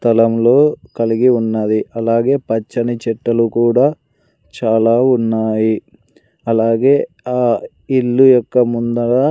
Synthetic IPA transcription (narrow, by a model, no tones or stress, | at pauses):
t̪ɐlɐmlo̞ːkɐliɡiunːɐd̪iɐlaːɡe̞ːpɐt͡ʃːɐnit͡ʃɛʈːɐlukuːɽaː | t͡ʃaːlaːunːaːji | ɐlaːɡe̞ː | aː | iɭːujɔkːɐmund̪ɐɽa